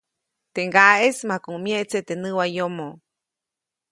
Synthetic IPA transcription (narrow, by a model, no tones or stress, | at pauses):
t̪eŋɡaʔesmãkumjẽʔt͡set̪enɨ̃wajomõ